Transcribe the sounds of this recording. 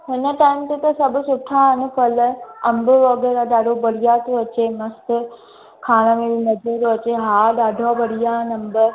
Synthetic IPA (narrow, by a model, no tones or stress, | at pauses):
ɦɪnəʈaːɪmt̪et̪ɐsɐbʱʊsʊʈʰãɦɪnʊfɐlɐ̃mbʊɐɡəɾaɗaːɖʱobɐɽijat̪oɐt͡ɕemɐst̪ | kʰaːɽ̃əmeʋinɐd͡ʒet̪oɐt͡ɕeɦaːɗaːɖʱabɐɽijanɐmbəɾ